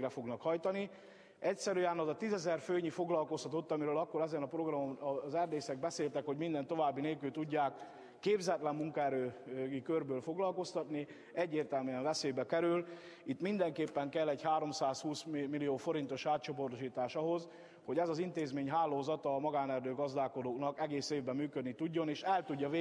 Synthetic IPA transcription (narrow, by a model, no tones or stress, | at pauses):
rɛfo̞ɡnɒkhɒjt̪ɒni | ɛcsɛɾyɛnɒzɒt̪izɛzɛrføːɲifo̞ɡlɒlko̞st̪ɒt̪o̞t̪ːɒmiɾøːlɒkːo̞ɾɛzɛnɒpro̞ɡrɒmomzɛrd̪eːsɛɡ̚bɛseːlt̪ɛkho̞ɟmind̪ɛnt̪o̞vaːbːineːlkylt̪uɟːaːkː | eːbzɛt̪lɛmmuŋkɔɛɾøːikørbøːlfo̞ɡlɒlko̞st̪ɒt̪ni | ɛɟːeːrt̪ɛlmyɛɱvɛseːbɛkɛɾyl | it̪ːmind̪ɛŋkeːpːɛŋkɛlːɛɟhaːɾo̞msaːshuːsmilioːfo̞ɾint̪o̞ʃaːt̪t͡ʃo̞po̞rt̪oʃiːt̪aːʃɒɦo̞z | ho̞ɟɛzɒzint̪eːzmeːɲɦaːlːoːzɒt̪ɒːmɒɡaːnɛrd̪øːɡɒzd̪aːko̞d̪oːknɒkɛɡeːseːvbɛmːyːkød̪nit̪uɟːo̞neːʃɛlt̪uɟːɒveː